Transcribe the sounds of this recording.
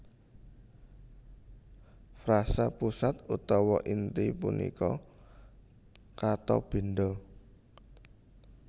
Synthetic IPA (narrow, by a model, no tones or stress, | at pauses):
fɾasapusat̪ut̪ɔwɔʔint̪ipunʔḭkɔ | kat̪ɔ̰b̥e̤nd̪ɔ